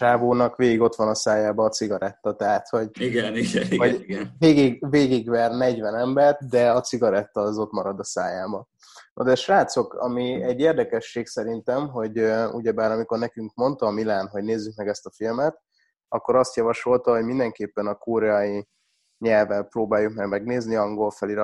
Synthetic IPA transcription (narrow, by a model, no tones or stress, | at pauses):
ʃaːboːnɒkʋeːɡiɡo̞t̪ʋɒnɒsaːjaːbɒːt̪siɡɒɾɛt̪ːɒt̪ɛɦat̪ho̞ɟiɡɛniɡvɒɡnveːɡiɡveːɡiɡvɛrnɛɟvɛnɛmbɛrt̪d̪ɛɒt͡siɡɒɾɛt̪ːɒːzo̞t̪mɒɾɒd̪ɒsa̰ːjaːbɒ | no̰d̪ɛʃvaːt̪so̞kɒ̰miɛɟːeːrd̪ɛkɛʃːeːksɛɾint̪ɛmɦo̞ɟṵɟɛbaːɾɒmiko̞rnɛkyŋkmo̞nt̪ɒːmilaːnɦo̞ɟneːzːyk̚mɛɡɛst̪ɒfilmɛt̪ | ɒkːo̞ɾɒst̪jɒvɒʃo̞lt̪ɒɦo̞ɟmind̪ɛŋkeːpːɛnɒkoɾɛɒji | ɲɛlvɛlproːbaːjukmɛɡmɛɡneːzniɒŋɡo̞lfɛliɾ